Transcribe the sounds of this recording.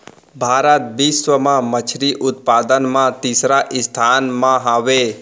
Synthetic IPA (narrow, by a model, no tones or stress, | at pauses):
bʱaːɾət̪̚biːsʋəmãmət͡ʃʰɾiʔʊt̪̚paːd̪ənmãt̪iːsɾaʔɪst̪ʰaːnmãɦaːʋeː